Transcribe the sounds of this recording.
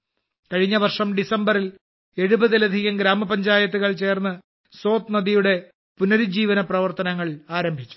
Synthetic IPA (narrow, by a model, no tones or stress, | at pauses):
kɐɻiɲːɐʋɐrʂɐmɖisɐmbɐril | e̞ɻubɐðilɐd̪ʱiɣɐmɡɾaːmɐpɐɲd͡ʑaːjɐt̪̬ːuɣɐɭt͡ɕe̞ːrnːɨ | so̞ːt̪nɐðijuɽe̞ | punɐɾud͡ʑiːʋɐnɐprɐʋɐrt̪ɐnɐŋːɐɭaːɾɐmbʱit͡ɕːu̥